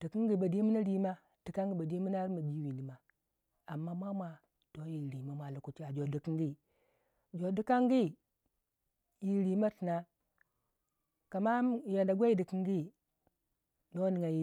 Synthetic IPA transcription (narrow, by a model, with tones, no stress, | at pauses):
d̥i˨ki˦ŋɡi˨ba˨di˦mu˦na˦ɾi˦ma˦ | d̥i˨ka˦ŋɡi˦ba˨di˦mu˦na˦ɾi˦ma˨ɡi˦wi˨ndi˨ma˨ | a˨mːa˦mʷ˦a˦mʷa˨ | to˦ji˨ɾi˨ma˦mʷa˨lu˨ku˨ti˦a˨d͡ʒo˨di˨ki˦ŋɡi˦˨ | d͡ʒo˨di˦ka˦ŋɡi˦˨ | ji˨ɾi˨ma˦ti˨na˦ | ka˨ma˦m˨ja˨nda˨ɡʷa˦i˦di˨ki˦ŋɡi˦˨ | do˦ni˨ŋa˨ji˨